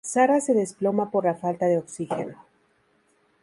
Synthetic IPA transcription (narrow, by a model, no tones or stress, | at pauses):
saɾase̞ðe̞splo̞mapo̞ɾlafalt̪aðe̞oksixe̞̰no